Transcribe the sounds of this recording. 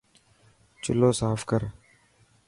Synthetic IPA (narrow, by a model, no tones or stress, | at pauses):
t͡ʃʊloːsaːfkəɾ